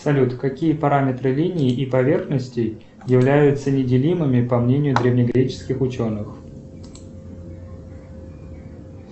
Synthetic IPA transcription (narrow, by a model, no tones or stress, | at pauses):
sɐlʲut̪kɐkʲijəpɐɾamʲɪt̪ɾɨlʲinʲɪːʔɪpɐvʲe̞rxnəsʲtʲɪ | jɪvlʲæjʊt̪sənʲɪdʲɪlʲimɨmʲɪpɐmnʲenʲɪjʊd̪ɾʲɪvnʲɪɡɾʲet͡ɕɪ̥skʲɪxʊt͡ɕo̞nːɨx